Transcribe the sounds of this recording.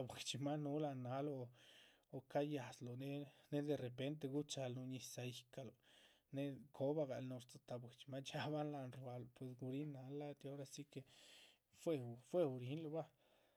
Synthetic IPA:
a˧bwe˨t͡ʃi˧ma˦nu˦la˧na˦lo˧ | o˨ka˦ja˨slo˨ne˦ne˦d̪e˧ɾe˨pe˦nt̪̬e˧ɡu˦t͡ʃa˧lnu˧ɲi˧˨sa˧ji˨ka˨lo˨ | ne˦kʰo˦ba˦ɡa˨lnu˧ɾt͡sa˧t̪a˨bwe˨t͡ʃi˧ma˦t͡ʃa˦ba˦nla˧nɾba˧lo˨pwe˨s̬ɡu˧ɾi˦na˧la˦t̪o˦ɾa˧si˦ke˧˨ | fwe˧fwe˦˧u˧ɾi˨˦nlo˧˨ba˦

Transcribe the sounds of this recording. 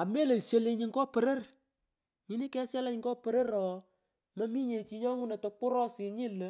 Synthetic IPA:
a˨me˦le˨se˦le˧ɲi˦ŋkɔ˦pə˨ɾə˦r | ɲi˦ni˦kɛ˦sja˦la˦ɲŋɡɔ˦pə˨ɾə˦ɾɔ˨ | mɐ˦mi˦ɲe˨t͡ʃi˧ɲɔ˦ŋu˦na˨to˨k͡pʊ˦ɾɔ˦sɪ˨ɲi˦lə˨˦

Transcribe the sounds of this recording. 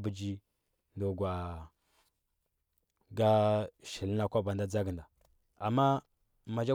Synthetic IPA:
bə˨d͡ʒi˦ | ndo˨ɡwa˨ | ɡa˦ʃi˨lna˦kʷa˦ba˨nda˦d͡za˦ɡə˨nda˨ | a˨mːa˦ | ma˨d͡ʒa˦

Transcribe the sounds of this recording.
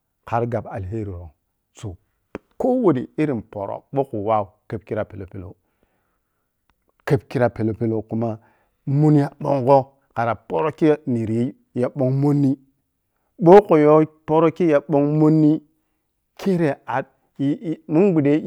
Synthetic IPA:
ka˨ɾɡa˨ba˨lɦe˦ɾi˨ɾo˨ŋ | so˨ | ko˦wo˨di˨i˦ɾi˨npo̰˨ɾo̰˦ɓo˦ku˨wa˦˨u˨kə˦b̚ki˦ɾa˨pe˨lo˨pe˦lo̰˨ | ke˦bki˦ɾa˨pe˨lo˨pe˦lo˨ku˦ma˦ | mu˦n˦ja˦ɓo˦ŋɡo˦ | ka˨ɾa˨po˦ɾo˦ki˦ni˨ɾji˦ | ja˨ɓo˦ŋmo˦nːi˦ | ɓo˦ko˨jo˦po˦ɾo˦ki˦ja˨ɓo˦ŋmo˦nːi˦ | kʰe˦ɾe˨a˨d̚ | mu˦nɡ͡bu˨de˦

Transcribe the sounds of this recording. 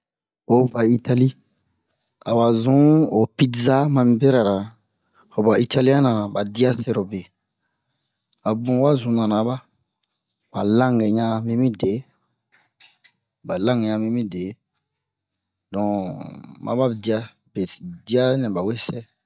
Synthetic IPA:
o˦va˨i˦ta˦li˦ | a̰˨wa˨zũ˦o˨pi˦tza˦mã˧mĩ˦be˦ɾa˨ɾa˨ | ho˨ba˨i˦tʰa˦lã˦nã˨nã˨ba˨di˦a˦se˦ɾo˨be˨ | a˨bũ˨˦wa˦zũ˨˦nã˨nã˨˦ba˦ | ba˨lã˦ŋɡɛ˨ɲã˦mĩ˦mĩ˦de˨˦ | ba˨lã˦ŋɛ˨ɲã˧mĩ˦mĩ˦de˨˦ | dɔ̃˨ | mã̰˨˦ba˦bdi˦a˦ | be˨di˦a˦nɛ̃˨ba˨we˦sɛ˦

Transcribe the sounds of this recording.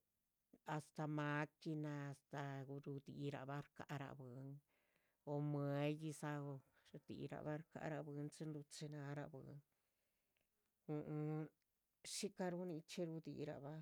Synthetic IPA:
a˧st̪a˧ma˧˦ki˧na˧st̪a˧ɾu˧d̪i˧ɾa̰˧ba˦ɾka˧ʔɾa̰˧bɨ˨˦ŋ | o˧me˧˦ji˧sa˧o˧ | ɾd̪ḭ˨ɾa̰˧ba˦ɾka̰˧ʔɾa˧bɨ˧˦nt͡si˧˦nɾu˧t͡se˧na˧˦ɾa˧bɨ˨˧˦ŋ | u˧ʔ | ʃi˦ka˧ɾu˧ni˧t͡ʃe˦˧ɾu˧d̪ḭ˧˨ɾa̰˨βa˦

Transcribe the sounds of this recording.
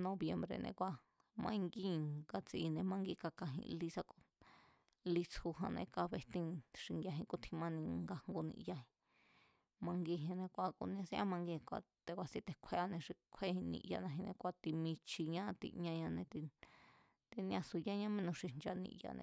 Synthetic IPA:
nõ˧βje˧mbɾḛ˧˨nʔḛ̃˧kʷa˧ | mã̰˧ĩ˧ŋɡi˦ɡa˧t͡si˧nẽ˧mã˧ŋɡi˦˧ka˧ka˧ɦḭ̃˧li˧sa˧ko˧ | li˧t͡shu˧ɦã̰˧nḛ̃˧ka˧βe˧t̪ĩ˧ʂi˧ŋɡja˧ɦĩ˧ku˦˧t̪ʰĩ˧mã˧nĩ˧ŋɡa˧hŋɡo˧nḭ̃˧ʔja˧ɦĩ̥˧ | mã˧ŋɡi˧ɦĩ˧nẽ˧kʷa˧kṵ˧nĩ˧ã˧sĩ˦ʔa˦mã˧ŋɡĩ˧kʷa̰˧ | t̪e˧kʷa˧sĩ˦t̪e˧kʷʰe˧a˧nẽ˧ʂi˧kʷʰe˦hĩ˧nḭ̃˧ʔja̰˧nã˧ɦĩ˧nẽ˧kʷa˧t̪i˧mĩ˧t͡ʃʰi˧ɲã˦˧t̪ḭ˧ɲã˧ɲã˧nẽ˧t̪i˧ | t̪i˧nĩ˧ã˧su˧ja˦˧ɲã˦mĩ˦nũ˧ʂi˧nd͡ʒa˧nḭ̃˧ʔja̰˧nḛ̃˧

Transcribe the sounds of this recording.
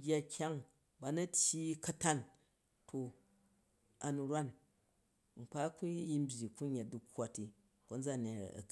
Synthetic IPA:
ɡʲa˦kʲʰa˦ŋ | ba˨nɐ˦tʲji˦kɐ˦ta˦n | tʰo˨ | a˨nu˨ɾwa˦n | ŋ͡m̩˨k͡pa˦ku˦ji˦m̩˦bʲji˨ku˦ɲe˨t̚du˦kʷːa˦tːi˨ | ko˦n˦d͡za˦˨ne˨ɐ̰˨k

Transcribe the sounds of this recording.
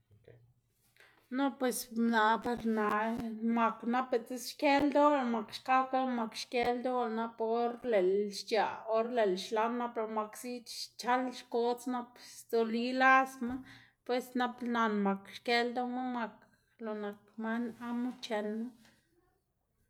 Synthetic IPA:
no˦pwe˧sna˨pe˧ɾna˧˨ʔma˨kna˦pe˧˨t͡se˦sʃke˦ld̪o˦la˧˨ma˨kʃka˦ka˦ma˧kʃke˧ld̪o˦wa˧na˧po˦ɾle˨lʃt͡ʃa˨o˦ɾle˨lʃla˦na˦pe˧ɾma˨ksi˦t͡ʃa˦lʃko˦t͡sna˦psd̪o˨li˦la˦sma˦ | pwe˧sna˧pna˧nma˨kʃke˧ld̪o˦ma˦ma˧k | lo˨na˨k̚ma˦na˦ma˦t͡ʃe˧lma˦

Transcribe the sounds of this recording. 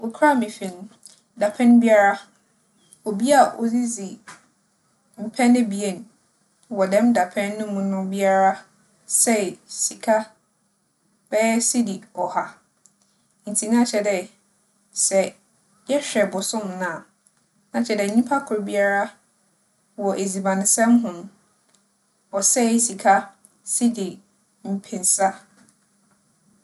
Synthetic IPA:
wo˨kʰa˦˨mɪ̃˨fĩ˨ñ˦ | da˨pʰɛ̃˦n˦bi˦a˦ɾa˦ | ɔ˨bi˦a˨ʔo̰˨zi˦zi˨ | m̩˨pʰɛ̃˦nɪ̃˦bi˨e˦˨n˨ | wɔ˨dɛ̃˦mda˨pʰɛ̃˦nːʊ̃˦mũ˦nʊ̃˦bi˦a˦ɾa˦ | sɛ˦˨si˨kʰa˦ | b̥ɛ˦si˦di˨ɔ˨ha˨ | n̩˨tʰi˨nã˦t͡ɕʰɛ˨dɛ˨ | sɛ˨ | jɛ˦ɕᶣɛ˨bʊ˨sʊ̃˦mnã˨ | nã˨˦t͡ɕʰɛ˨dɛ˨ɲĩ˦pʰa˦kʰʊ˨ɾbi˦a˦ɾa˦ | wɔ˨ʔe˨zi˨bã˨nɪ̃˨sɛ̃˦mɦʊ̃˨m˦ | ɔ˨sɛ˦˨si˨kʰa˦ | si˦di˨ | m̩˨pʰɪ̃˨nsa˦

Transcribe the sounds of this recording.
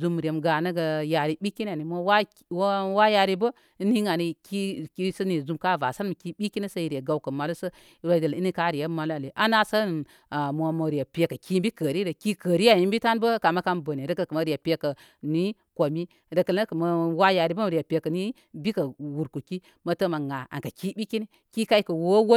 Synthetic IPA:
zu˦m˨ɾe˨mɡa˨nə˦ɡə˨ja˨ɾi˨bi˦ki˦n˦a˨ni˨mʷo˦wa˦ | wwa˦ja˧ɾi˦bə˦ | i˦ni˦ŋa˨ni˨ki˦ki˦sə˦ni˨zu˧mka˦va˨sa˦n˦mə˨ki˦ɓi˦ki˦nə˦sə˦i˨ɾe˨ɡa˨wkə˨ma˨lu˦sə˦ | ɾa˦də˨li˦ni˦ka˦ɾi˨ja˦ma˨lu˦a˨le˨ʔa˦na˦sə˦˨ | mʷo˨mə˨ɾi˨ja˨pʲe˨kə˨ki˦mbi˦kə˨ɾi˦də˨ki˦kə˨ɾi˦ja˨ji˦mbi˦ta˦nbə˦ka˨ma˦ka˦nbə˨ni˨ɾə˨kə˨kə˨mə˨ɾi˨ja˨pʲe˦kə˨ | ni˦ | ko˨mi˦ | ɾə˨kə˨lə˦kə˨mə˨˦wa˦ja˨ɾi˨˦bə˦m˨ɾi˨a˨pʲe˨kə˨ni˦ | bi˦kə˨wu˨ɾku˨ki˦ | mə˨tə˦ma˨ŋa˨a̰˨nka˨ki˦bi˦ki˦ni˦ | ki˦ka˦i˦kə˨wo˦wo˦

